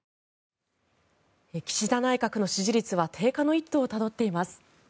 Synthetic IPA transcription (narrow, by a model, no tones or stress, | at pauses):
ekʲi̥ɕid̪anaikakɯ̟no̞ɕiʑiɾʲit͡sɨβat̪ʰe̞ːkano̞it̪ːo̞ːt̪ad̪o̞t̪ːe̞imasɨ̥